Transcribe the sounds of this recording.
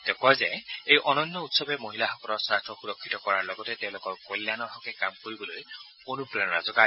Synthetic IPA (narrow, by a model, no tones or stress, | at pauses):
tekɔzeejʔɔnɔnːɔutsɔbɛmoɦilahɔkɔlɔɹsastʰɔxuɾɔkʰːitɔkɔɹaɹlɔɡɔtɛteʊ̃lokɔɹkolːjanɔɦɔkɛkamkoɹibɔloj | onupɹɔnɹa̰zɔka